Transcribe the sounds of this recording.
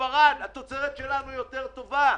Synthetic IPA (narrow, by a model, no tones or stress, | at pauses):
aʁanat̪o̞t͡seʁet̪ʃe̞lanujo̞t̪e̞ʁt̪o̞va